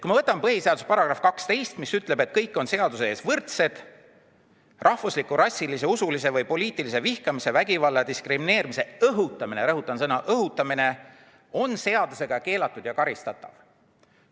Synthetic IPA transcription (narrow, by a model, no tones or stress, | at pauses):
kuimɑvɤt̪ːˑɑmpɤɦise̞ɑd̪usepɑɾɑɡ̥rɑfkɑkst̪e̞jst̪misyt̪ˑle̞be̞t̪̚kɤjkːˑo̞nse̞ɑd̪useeːsvɤrt̪se̞d̪̥ | rʔɑhvuslikːuɾɑsʲːilis̬e̞usulis̬e̞vɤjpo̞liːt̪ˑilise̞vihkɑmise̞væɡivɑlːɑd̪iskrimine̞ːɾimise̞ɤɦut̪ːˑɑmineɾɤɦut̪ːˑɑnsɤnɑʔɤɦut̪ːˑɑmine̞ | o̞nse̞ɑd̪use̞ɡ̥ɑke̞ːlɑt̪ːˑud̪̥jɑkɑɾist̪ɑt̪ːˑɑ̰v̥